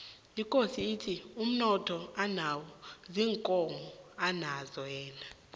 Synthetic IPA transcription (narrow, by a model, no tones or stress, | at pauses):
ikʼosiːtʰium̩nɔtʰɔanawɔziːŋkʼɔmɔanazɔjɛːna